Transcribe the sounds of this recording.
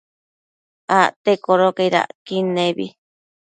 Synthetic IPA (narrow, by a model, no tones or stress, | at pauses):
aʔt̪ekoɾokeiɾa̰ʔkinẽβḭ